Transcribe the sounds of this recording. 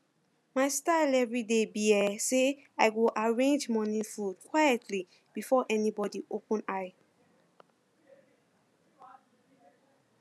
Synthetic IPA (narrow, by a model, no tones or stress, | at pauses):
maɪstaɪlɛvɹidebiɛse | aɪɡoʔaɹẽnd͡ʒmɔnĩfudkwajɛtʰli | b̥ifɔʔɛnibɔdiʔopə̃naɪ